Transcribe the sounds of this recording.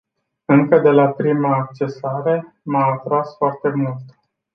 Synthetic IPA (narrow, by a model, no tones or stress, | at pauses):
ɨŋkəd̪e̞lapɾimaːk̚t͡ʃe̞saɾe̞ | maːt̪ɾasfoart̪e̞mult̪